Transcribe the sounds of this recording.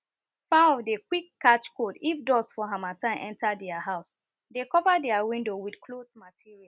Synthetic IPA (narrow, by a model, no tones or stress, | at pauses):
fãɔvdekwikːat͡ʃkodifdɔsfɔɦãmatãɪ̃mʔɛ̃ntadɛaɦaʊs | dekɔvadɛawĩndowidkʰlotmatʰiɹia